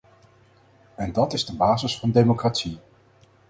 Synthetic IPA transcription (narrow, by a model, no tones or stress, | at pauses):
ɛndɑtɪzdəbaːzəsfɑndejmokratsi